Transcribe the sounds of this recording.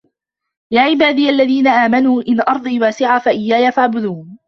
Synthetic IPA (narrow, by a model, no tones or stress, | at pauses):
jaːʕɪbaːd̪iːalːaðiːnaʔaːmanuːʔɪnʔɑɾˤd̪ˤiːwaːsɪʕaːfaʔɪjːaːjafaʕbʊd̪uːn